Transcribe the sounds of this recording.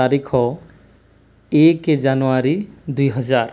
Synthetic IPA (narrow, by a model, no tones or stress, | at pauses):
aɾikʰɔ | eked͡ʒanoaɾid̪ujɦʌd͡ʒaɾ